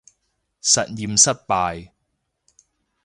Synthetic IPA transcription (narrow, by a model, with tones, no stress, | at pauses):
sɐ˨t̚jiː˨msɐ˥t̚paː˨˧j